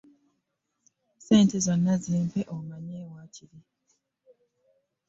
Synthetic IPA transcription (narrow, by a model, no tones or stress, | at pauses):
seːntezonːazeːmpeʔomaɲeːwaːcʰiɾi